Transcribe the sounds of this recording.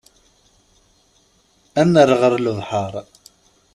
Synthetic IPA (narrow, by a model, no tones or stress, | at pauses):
ænəɾʁəɾləðˤħəɾˤ